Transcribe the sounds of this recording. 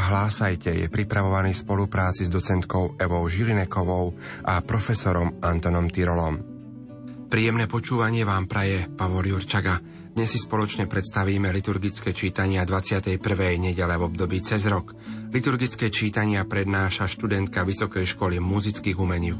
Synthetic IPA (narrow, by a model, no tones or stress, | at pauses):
ɦlaːsajcɛjɛ̰pɾipɾaʋɔʋaniːspɔlupɾaːt͡sizd̪ɔt͡sɛnt̪kɔʊɛʋɔʊʒilinɛkɔʋɔʊʔapɾɔfɛsɔɾɔmant̪ɔnɔmt̪iɾɔlɔm | pɾiːjɛmnɛːpɔt͡ʃuːʋaɲɪɛʋaːmpɾajɛpaʋɔljuɾt͡ʃaɡa | d̪̥ɲɛsːispɔlɔt͡ʃɲɛpɾɛt̪st̪aʋiːmɛlit̪uɾɡit͡skɛːt͡ʃiːt̪aɲɪad̪ʋat͡sɪat̪ɛjpr̩ʋɛjɲɛɟɛlɛvɔbd̪ɔbiːt͡sɛzɾɔk | lit̪uɾɡit͡skɛːt͡ʃiːt̪aɲɪapɾɛd̪naːʃaʃt̪ud̪ɛnt̪̚kaʋisɔkɛjʃkɔlimuzit͡skiːɣumɛɲiː